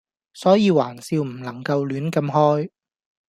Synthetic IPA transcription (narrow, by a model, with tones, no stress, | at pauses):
sɔː˨˥jiː˧waː˨˩nsiː˧wm̩˨˩lɐ˨˩ŋkɐ˧wlyː˨˥nkɐ˧mɦɔː˥j